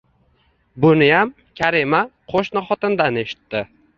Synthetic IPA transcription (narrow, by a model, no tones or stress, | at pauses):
bʊnɪjam | kʲʰaɾimaqʰoʃnɪχɒt̪ɪnd̪ane̞ʃɪ̥t̪ːɪ